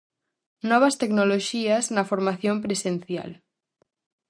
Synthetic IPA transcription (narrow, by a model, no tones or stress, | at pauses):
nɔβ̞ast̪eknoloʃiaznafoɾmaθjompɾesen̟θja̰l